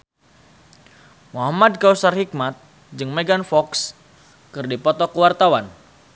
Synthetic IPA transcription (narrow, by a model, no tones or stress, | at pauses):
muɦamad̚kausarhik̚mat̪̚ | d͡ʒɨŋmeɡanfɔks | kɨrdipɔt̪ɔkəwart̪awan